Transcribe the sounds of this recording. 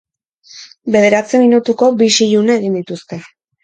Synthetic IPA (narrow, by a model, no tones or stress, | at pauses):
be̞ðe̞ɾat͡seminut̪uko̞biʃiʎuneːɣind̪it̪ust̪e̞